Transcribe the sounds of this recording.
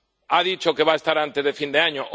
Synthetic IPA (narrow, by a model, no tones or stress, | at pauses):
aðit͡ʃokeβaest̪aɾant̪ezðefind̪eaɲoʔ